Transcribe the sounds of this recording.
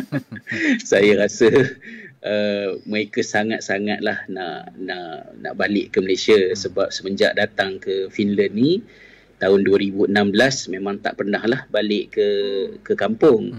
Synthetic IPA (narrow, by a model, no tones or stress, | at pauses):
sajaɾasə | ʔəməɾekasaŋat̪̚saŋat̪̚lahnaʔnaʔna̰ʔbalɪʔkəməlesiasəbap̚səməɲd͡ʒa̰ʔdat̪aŋkəfinlənːi | t̪aɦʊnduəɾibuənambəlasmemãŋt̪a̰ʔpərnahlahbalɪʔkəkəkampʊŋ